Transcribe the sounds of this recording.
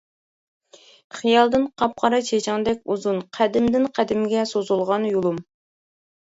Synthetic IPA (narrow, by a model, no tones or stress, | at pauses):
χijɑlˠd̪ɨnqʰɑp̚qʰɑɾɑt͡ʃʰet͡ʃʰɪŋd̪ɛkʲuzunqʰæd̪ɪmd̪ɪnqʰæd̪ɪmɡʲɛsozulˠʁɑnjulˠum